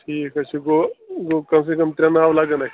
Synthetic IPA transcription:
ʈʰiːkɐt͡ʃʰiɡoɡokɐms̬ekɐmt̪ɾʲɐnaːʋlaɡɐnakʰ

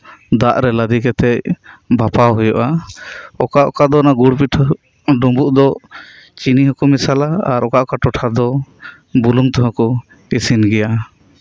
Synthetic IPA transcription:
d̪aʔɾɛlad̪ikɛt̪ɛc̚bʱapawɦujɔʔa | ɔkaʔɔkad̪ɔnaɡuɽpiʈʰɔ | ɖumbuʔd̪ɔ | t͡ʃiniɦɔkɔmisalaaɾɔkaʔɔkaʈɔʈʰad̪ɔ | buluŋt̪ɔɦɔ̃kɔ | isinɡɛja

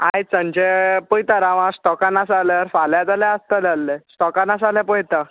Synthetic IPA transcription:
ajt͡sə̃nt͡ɕepɔjt̪aɾaʋãsʈɔkanasalaɾfaljãd͡zalɛast̪əlalːesʈɔkanas̬alɛpɔjt̪a

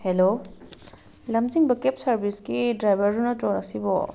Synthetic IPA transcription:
hɛlo | lamziŋbəkepsaɹbʱiskidɹajbaɹunɔtɔnasibɔ̰

